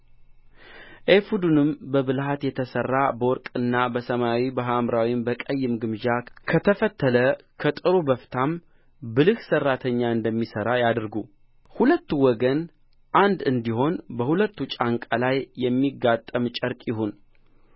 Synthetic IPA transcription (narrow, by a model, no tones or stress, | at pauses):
ʔefud̪unɨmbəbɨlhat̪jɛt̪ʰəsərːabəwɔɾkʼɨnːabəsəmawibaɦamɾawimbəkʼəjːɪmɡɨmʒakʰət̪ʰəfət̪ʰːələkʰət̪ʼɨɾubəft̪ʰam | bɨlɨhsərːat̪ʰəɲːaɨnd̪əmːisəɾajad̪ɾɡu | hulət̪ːuwɔɡən | ʔand̪ɨnd̪iɦo̞nbəhulət̪ːut͡ʃʼaŋkʼalajːɛmːiɡːat̪ʼːəmt͡ʃʼəɾkʼjɪɦun